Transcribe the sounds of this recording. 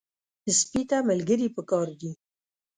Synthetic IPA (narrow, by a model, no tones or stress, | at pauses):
d̪̥əspit̪aməlɡɪɾipəkɑːɾd̪i